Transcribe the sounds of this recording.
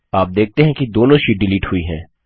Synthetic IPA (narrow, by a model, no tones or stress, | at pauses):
aːp̚d̪eːk̚ʰt̪eɦɛ̃kid̪oːnõʃiːʈ̚ɖɪliːʈhʊiɦɛ̰̃ː